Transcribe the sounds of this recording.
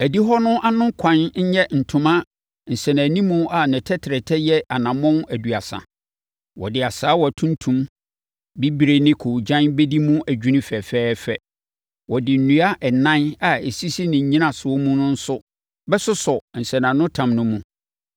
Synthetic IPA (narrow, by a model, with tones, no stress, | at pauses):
æ˨di˦ɦɔ˦nʊ̃˦ʔa˦nʊ̃˦kʰã˨nɲ̩˦ɲɛ˦n̩˨tʰʊ̃˨˦mã˦ | n̩˨sɛ̃˨næ̃˨nĩ˦mũ˦a˨nɪ̃˨tʰɛ˦tʰɪ˨ɾɛ˨tʰɛ˦jɛ˦ʔa˨nã˨mɔ̃˦n˦æ˨du˨a˨sã̰˨ | wɔ̰˨dɪ˨a˨saː˨˦wɔ˨æ˨tʰũ˦n˦tʰũ˦m | bi˦bi˨ɾe˨nɪ̃˦kʰo˨d͡ʑã˦nbɛ˦di˦mũ˦æ˨d͡ʑᶣu˦nĩ˦fɛ˨fɛː˦fɛ˨ | wɔ˨dɪ˨n̩˨nũ˦a˦ʔɛ˨nã˦na˨e˨si˦si˦nɪ̃˨ɲ̩˨ɲĩ˦nã˦˨sʊ˨ɔ˦mũ˦nʊ̃˦n̩˦sʊ˦ | bɛ˦sʊ˦sɔ˨n̩˨sɛ̃˨nã˨nʊ̃˦tʰã˨mnʊ̃˦mũ˦